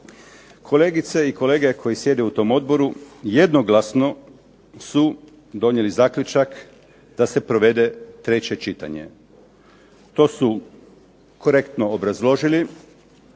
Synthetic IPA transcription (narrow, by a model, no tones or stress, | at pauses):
kʰo̞le̞ːɡit̪se̞iko̞le̞ːɡe̞kʰo̞jisje̞d̪eut̪o̞ːmo̞d̪̚bo̞ɾuje̞d̪no̞ɡlasno̞ | su | d̪o̞ɲelizaːklʲʎut͡ʃak | d̪̥ase̞pɾo̞ʋe̞d̪e̞t̪ɾe̞t͡ɕe̞t͡ʃit̪a̰ɲe̞̰ | t̪o̞ːsu | ko̞ɾe̞kt̪no̞ːbɾazlˠo̞ʒili